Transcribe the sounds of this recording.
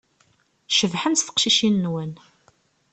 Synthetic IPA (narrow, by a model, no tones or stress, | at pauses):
ʃəvħənt̪θə̥qʃiʃinːwən